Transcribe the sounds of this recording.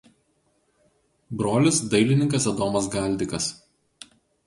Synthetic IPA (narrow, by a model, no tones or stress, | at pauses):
bɾoːlʲɪsd̪ɐɪlʲɪnʲɪŋkɐsɛd̪oːmɐsɡɑˑlʲd̪ʲɪkɐs